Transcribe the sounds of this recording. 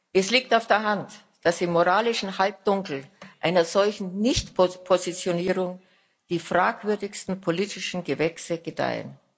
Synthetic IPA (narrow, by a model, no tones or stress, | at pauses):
ʔɛsliːk̚taʊfd̥eːɐɦant | d̥asɪmːoʁaːlɪʃn̩halp̚d̥ʊŋkl̩ʔaɪnɐzɔlçn̩nɪçtpopʰozit͡sjoniːʁʊŋ | d̥iːfʁ̥aːkv̥ʏɐdɪçstn̩pʰoliːtʰɪʃn̩ɡəvɛksəɡ̥əd̥a̰ɪə̰n